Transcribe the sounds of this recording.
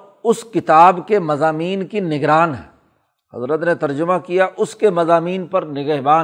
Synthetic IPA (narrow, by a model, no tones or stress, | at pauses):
ʊskɪt̪aːbkemɐzaːmiːnkinɪɡɾaːnɦɛː | ɦɐ̰zɾət̪net̪ɐɾd͡ʒʊmakijaʔʊskemɐzaːmiːnpɐɾnɪɡəɦbaː